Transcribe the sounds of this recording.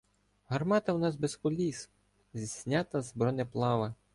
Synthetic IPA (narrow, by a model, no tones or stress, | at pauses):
ɦɐrmɑt̪ɐwnɑsbeskɔlʲis | zʲisʲnʲat̪ɐzbɾɔnɛplˠɑʋɐ